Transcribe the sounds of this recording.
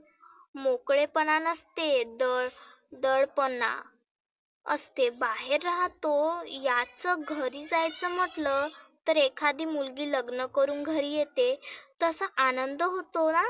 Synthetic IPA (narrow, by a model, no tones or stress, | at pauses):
mokɭepənanəst̪ed̪əɭ | d̪əɭpəna̰ | ə̰st̪ebaɦeɾːaɦt̪ojat͡səɡʱəɾiːd͡zajt͡səm̤əʈlət̪əɾekʰad̪iːmulɡiːləɡnəkəɾuːnɡʱəɾiːjet̪et̪əsəʔanənd̪əɦot̪ona